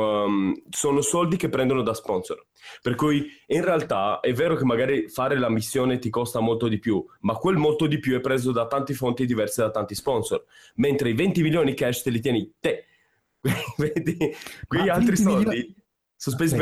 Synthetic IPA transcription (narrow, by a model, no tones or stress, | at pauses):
soːnosɔld̪ik̟epːɾɛnd̪onod̪aspɔnsor | perkujinrealt̪aɛvːeːɾokemːaɡaːɾifaːɾelamisːjoːnet̪ikɔst̪amolt̪od̪ipjumakːwelmolt̪od̪ipjuɛpːɾeːzod̪at̪ant̪ifont̪id̪ivɛrsed̪at̪ːant̪ispɔnso̰rment̪ɾeivɛnt̪imiljoːnikɛʃt̪elit̪jɛːnit̪e | kweved̪ikweʎːialt̪ɾisɔld̪i | sospezi